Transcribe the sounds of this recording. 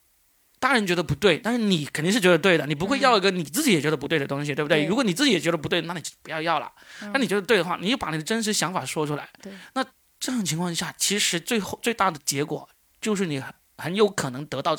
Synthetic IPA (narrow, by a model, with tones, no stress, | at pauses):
t̪a˥ɻə˧˥nt͡ɕɥɛ˧˥d̪ə˧pu˧˥t̪we˥˩ɪt̪a˥˧nʂɻ̩˥˩ni˨˩kʰnt̪i˥˧ʂɻ̩˥t͡ɕɥɛ˧˥d̪t̪we˥˩ɪd̪ə˩ni˨˩p̬u˧˥xwe˥˧ɪjɑ˥˧ʊi˧˥ɡə˨ni˨˩t͡sɹ̩˥˩t͡ɕi˧˥jɛ˨˩t͡ɕɥɛ˧˥ə˧pu˧˥we˥˩ɪdə˩ʊ˥ŋɕ̬i˩e˥˩bt̪we˥˩ɻu˧˥wɔ˧˥ni˨˩t͡sɹ̩˥˩t͡ɕi˧˥jɛ˨t͡ɕɥɛ˧˥ə˧pu˧˥t̪we˥˩ɪə˩na˥˩ni˨t͡ɕo˥˩˥pu˧˥jɑ˥˧ʊjɑ˥˩ʊlə̰˩a˥ni˨˩ɥɛ˧˥ə˧t̪wɪd̪ə˧wa˥˩ni˨˩t͡ɕjo˥˩pa˧˥ni˨˩d̪ə˦ʈ͡ʂə˥nʂ̬ɻ̩˧˥ɕjɑ˧˥ŋfa˨˩ʂwɔ˥ʈ͡ʂʰu˥la˧˦ɪna˥˧ | ʈ͡ʂɤ˥˧jʊ˥˩ŋt͡ɕʰi˧ŋkʰwɑ˥˧ŋ˥ɕja˥˩t͡ɕʰi˧˥ʂɻ̩˧˥t͡swe˥˧ɪxt͡swe˥˧ɪt̪a˥˩d̪ə˩t͡ɕjɛ˧˥kwɔ̰˨˩ | t͡ɕjo˥˧ʊʂ̬ɻ̩˥˩ni˨˩x | xə˧˥njo˧˥ʊkʰɤ˨˩nɤ˧˥ŋt̪ɤ˧˥t̪ɑ˥˧ʊ